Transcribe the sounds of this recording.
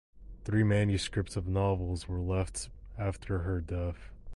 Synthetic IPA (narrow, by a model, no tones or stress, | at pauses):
θɹimæ̃njɨskɹɪp̚tsʌvnɑvl̩ˠzwə˞lɛftæftʰə˞ə˞dɛθ